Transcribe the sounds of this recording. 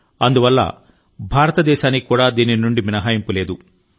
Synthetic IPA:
ɐnd̪uʋɐlːɐ̰ | bʱaːɾɐt̪ɐd̪ɛːʃaːnikuːɽaːd̪iːninuɳɖiminɐɦaːjimpuleːd̪u

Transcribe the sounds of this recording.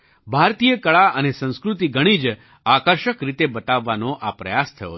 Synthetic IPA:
bʱaɾt̪ijəkəɭaənesə̃ñskɾut̪iɡəɽ̃id͡ʒ | akəɾʃəkɾit̪ebət̪aʋːanoʔapɾəjast̪ʰəjo̰

